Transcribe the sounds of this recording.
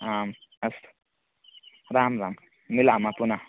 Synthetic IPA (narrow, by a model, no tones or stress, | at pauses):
amɐst̪ | ɾamɾam | milamapuna